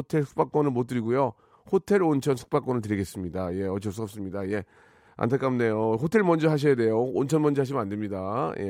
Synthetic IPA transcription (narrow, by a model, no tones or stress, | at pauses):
otʰe̞ɭsʰɯ̥k̚p͈ak͈wʌnɯɭmot͈ɯɾiɡujo | hotʰe̞ɾont͡ɕʰʌnsʰɯ̥k̚p͈ak͈wʌnɯɭt̬ɯɾiɡe̞s͈ɯmɲidaje̞ʌt͡ɕʰʌs͈uʌp̚s͈ɯmɲidaje̞ | a̰ntʰak͈amnejoɸotʰe̞ɭmʌnd͡ʑʌɦaɕ̬ʰijade̞joont͡ɕʰʌnmʌnd͡ʑʌaɕ̬ʰimɯnande̞mɲidaje